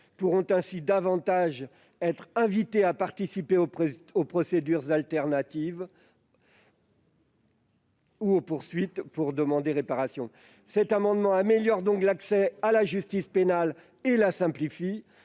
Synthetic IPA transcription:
puʁɔ̃t̪ɛ̃sid̪avɑ̃t̪aʒ | ɛt̪χɛ̃vit̪eapaʁt̪isipeoopχɔsed̪yʁzalt̪ɛʁnat̪iv | uopuʁsɥit̪puʁd̪əmɑ̃d̪eʁepaʁasjɔ̃ | sɛt̪amɑ̃d̪mɑ̃ameljɔʁd̪ɔ̃klaksɛalaʒyst̪ispenal | elasɛ̃plifi

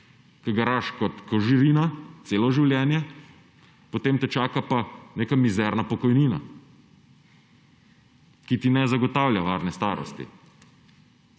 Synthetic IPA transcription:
kɐɡaɾaʃkɔt̪kɔʒiɾiːnat̪seːlɔʒiwljɛːnjɛ | pot̪eːmt̪ɛt͡ʃaːkapaneːkamizɛːɾnapɔkɔjniːna̰ | kit̪inɛzaɡɔt̪awljaʋaːɾnɛst̪aːɾɔ̰st̪ḭ

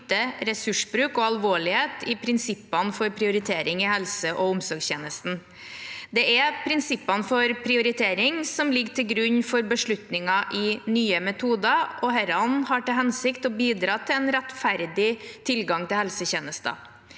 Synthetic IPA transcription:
t̪əɾɛsʉʂbɾʉːkɔɑlʋoːɭɪheːt̪ɪpʰɾɪnsɪpːɑnfɔɾpʰɾɪʊɾɪt̪ʰeːɾɪŋɪhɛlsəʔɔʊmsɔɾɡsçeːnəst̪n̩ | d̪ɛɛpʰɾɪnsɪpːɑnfɔɾpʰɾɪʊɾɪt̪ʰeːɾɪŋsɔmlɪɡːt̪ʰɪlɡɾʉɲːfɔɾbəʂɭʉt̪nɪŋɑʔɪnyːəmɛt̪ʰuːd̪ɑʔɔhɛɾɑnhɑʈɪlɦɛnsɪkt̪ɔbiːd̪ɾɑːt̪ʰɪlɛnɾɛt̪fæɾd̪ɪt̪ʰɪlɡɑŋt̪ɪlhɛlsəçeːnəst̪ɑ̰

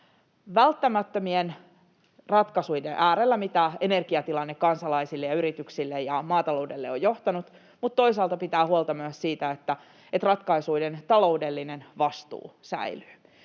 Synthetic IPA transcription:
ʋælt̪ːæmæt̪ːømien | rɑt̪kɑsujdeʔæːɾelːæmit̪æene̞rɡ̥iɑt̪ilɑnːekːɑnsɑlɑisilːejɑyɾit̪yksilːejɑmɑːt̪ɑlo̞uwde̞lːeojo̞ht̪ɑnut̪ | mut̪t̪ːo̞isɑːlt̪ɑpit̪æːhuolt̪ɑmyøssiːt̪æet̪ːæ | et̪rɑt̪kɑisuident̪ɑlo̞udelːinenʋɑst̪ṵːsæ̰ily̥ː

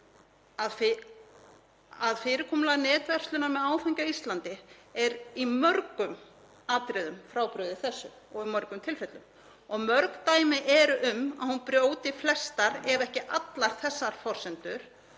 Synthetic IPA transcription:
aðf | aðfɪːɾɪkʰɔːmlaɣnɛːt̪vɛr̥st̪lʏnamɛðaːwθɛɲcaist̪lant̪ɪɛɾimœɾkʏm | aːt̪ɾɪðʏmfɾaːwpɾʏðɪθɛsːʏ̰ | ɔɣimœɾkʏmt̪ʰɪlfɛt̪lʏm | ɔɣmœɾkt̪aːjmɪʔɛɾʏʔʏmaðhunpɾjoːwt̪ɪflɛst̪aɾɛɾɛhcɪʔat̪laɾ̥θɛsːaɾ̥fɔr̥sɛnt̪ʏɾ̥

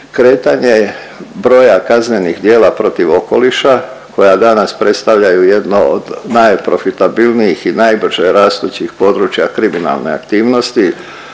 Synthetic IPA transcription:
kɾe̞ːt̪aɲe | bɾo̞ːjakaznenixd̪je̞ːlapɾo̞t̪iʋo̞ko̞liʃako̞jad̪anaspɾe̞t̪st̪aʋʎajuje̞d̪noo̰d̪najpɾo̞fit̪abilˠnijixinajbr̩ʒ̥eɾaːst̪uːt͡ɕixpo̞d̪ɾuːt͡ɕjakɾimina̰lˠne̞̰a̰kt̪iːʋno̞st̪i

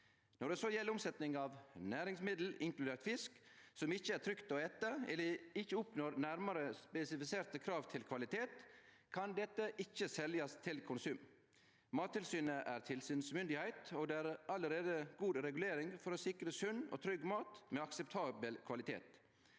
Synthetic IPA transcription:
nɔɖɛsoːjɛlːəʊmsɛt̪nɪŋɑːʋnæːɾɪŋsmɪd̪l̩ɪŋklʉd̪eːɾt̪fɪsksɔmɪçəæt̪ʰɾʏkt̪oːɛt̪əɛ̰lːəɪçːəʊpnoːɾnæɾməɾəspɛsɪfɪseːɾt̪əkʰɾɑːʋt̪ʰɪlkʰʋɑlɪt̪ʰeːt̪ | kʰɑnd̪ɛt̪ːəʔɪçːəsɛljɑst̪ʰɪlkʰʊnsʉːm | mɑːt̪ʰːɪlsyːnəʔæːɾt̪ʰɪlsyːnsmʏnd̪ɪhæɪt̪oːɡd̪eːæːɾɑləɾeːd̪əɡuːd̪ɾɛɡʉleːɾɪŋfɔɾoːsɪkɾəsʉno̰ːt̪ʰɾʏɡmɑːt̪meːɑksɛpt̪ʰɑːbəlkʰʋɑlɪt̪ʰḛːt̪

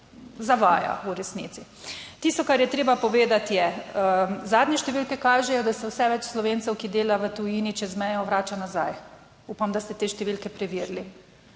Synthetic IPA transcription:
zaʋaːja̰uɾɛsnḭt̪si | t̪ist̪ɔkaɾjɛt̪ɾeːbapɔʋeːd̪at̪jɛ | zaːd̪nɲɛʃt̪ɛʋilkɛkaːʒɛjɔd̪ast̪ɛwsɛʋɛt͡ʃslɔʋeːnt̪sɛwkid̪eːlaʋət̪ujiːnit͡ʃɛzmɛjɔʋɾaːt͡ʃanazaj | upamd̪ast̪ɛt̪eːʃt̪ɛʋilkɛpɾɛʋiːɾli

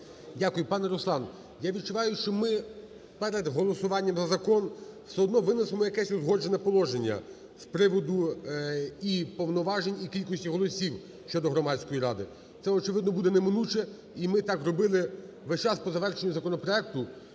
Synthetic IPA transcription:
dʲakʊjʊpɑnɛɾɔslˠɑn | jaʋʲid̪̚t͡ʃʊʋɑjʊʃt͡ʃɔmɪ | pɛɾed̪ɦɔlˠɔsʊʋɑnʲːɐmzɐzɐkɔnwsɛɦɔd̪nɔʋɪnɪsemɔjɐkɛsʲʊzɦɔd͡ʒenɛpɔlˠɔʒe̞nʲːɐ̰ | spɾɪʋɔd̪ʊ | ipɔwnɔʋɑʒenʲikʲilʲkɔsʲtʲiɦɔlˠɔsʲiw | ʃt͡ʃɔd̪ɔɦɾɔmɑtʲsʲkɔjiɾɑd̪ɪ | t̪sɛɔt͡ʃɪʋɪd̪nɔbud̪ɛnemɪnut͡ʃɛ | imɪt̪ɑkrɔbɪlˠɪ | ʋɛʃt͡ʃɑspɔzɐʋɛrʃenʲːʊzɐkɔnɔpɾɔɛk̚t̪ʊ

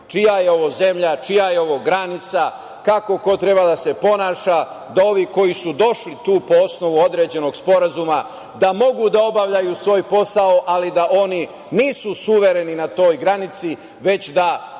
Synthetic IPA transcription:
t͡ʃijajeo̞ʋo̞ze̞mʎat͡ʃijajeo̞ʋo̞ɡɾanit̪sa | kako̞ko̞t̪ɾe̞bad̪ase̞po̞naːʃa | d̪ao̞ʋiko̞jisud̪o̞ʃlit̪uːpo̞o̞sno̞ʋuo̞d̪ɾe̞ːd͡ʑe̞no̞ɡspo̞ɾazuma | d̪amo̞ɡud̪ao̞baʋʎajusʋo̞ːjpo̞sao̞ʔalid̪aʔo̞ni | niːsusuʋe̞ɾe̞ninat̪o̞ːjɡɾanit̪si | ʋe̞t͡ɕd̪a

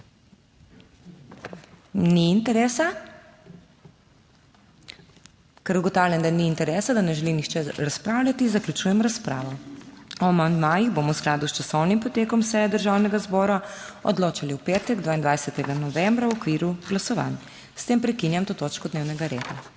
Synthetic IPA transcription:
niːnt̪ɛɾɛːsa | kɛɾuɡɔt̪aːwlʲjɛnd̪aniːnt̪ɛɾɛːsad̪anɛʒɛlinixt͡ʃɛɾaspɾaːwlʲat̪izaklʲut͡ʃuːjɛmɾaspɾa̰ːʋɔɔmand̪majiɣboːmɔwsklaːd̪ust͡ʃasɔwnimpɔt̪eːkɔmsɛjɛd̪əɾʒawnɛɡazbɔɾaɔ̰d̪loːt͡ʃaliuwpeːt̪ɛɡd̪ʋaind̪ʋajsɛt̪ɛɡanɔʋɛmbɾawɔkʋiːɾuɡ̥lasɔʋa̰n | st̪eːmpɾɛkinjamt̪oːt̪oːt͡ʃkɔd̪neːwnɛɡaɾḛd̪a

